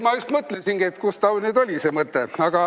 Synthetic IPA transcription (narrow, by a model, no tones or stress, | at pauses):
mɑjust̪mɤt̪ːˑlensinɡ̥iet̪kust̪ɑwneːd̪o̞lʲiseːmɤt̪ːeɑɡ̥ɑ